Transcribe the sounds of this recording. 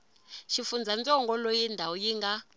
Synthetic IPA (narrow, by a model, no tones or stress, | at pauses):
ʃifund͡zʱand͡zɔŋɡɔlojindʱawɔjiŋɡa